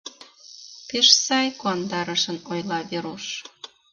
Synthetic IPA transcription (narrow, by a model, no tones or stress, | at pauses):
peʃsɑjkoɑnd̪ɑɾəʃənojlɑβeɾoʃ